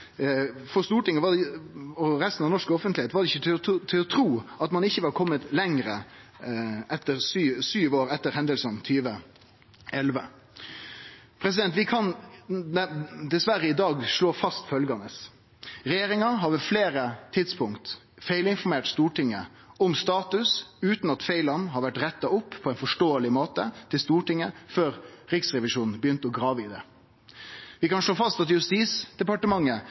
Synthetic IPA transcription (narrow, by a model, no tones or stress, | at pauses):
fɔst̪uːʈɪŋːəʋɑɔɾɛst̪n̩ɑʋnɔʂkɔfənt̪lɪheːt̪ʋɑɾɖɛɪçət̪ʰɪlɔt̪ʰɾuːɑt̪mɑnɪçːəʋɑɾkʰɔmːət̪lɛŋɾə | ʔɛt̪ːəɾsyːsyːʋoːɾɛt̪ːəɾhɛnd̪əlsənt̪ʰyːʋə | ɛlʋə | pʰɾɛs̬ɪd̪ɛnt̪ʋɪkʰɑn | d̪ɛsʋæɾəɪd̪ɑːɡʂɭoːfɑst̪fœlɡɑnəs | ɾɛjeːɾɪŋɑɦɑɾʋɛfleːɾət̪ʰɪd̪spʰʊŋkt̪ | feɪlɪnfɔɾmeːʈst̪uːʈɪŋːə̰ | ɔmst̪ɑːt̪ʉsʉːt̪n̩ɑt̪feɪlɑnɦɑɾʋæʈɾɛt̪ːɑʊpːpʰːɔɛnfɔʂʈoːəlɪmoːt̪ət̪ʰɪlst̪uːʈɪŋːəføːɾɾɪksʁɛʋɪʂuːnn̩bəjʏnt̪əɔɡɾɑːʋəɪd̪ɛ | ʋɪkɑnʂɭoːfɑst̪ɑt̪jʉst̪iːsd̪̥ɛpɑʈəmɑŋːə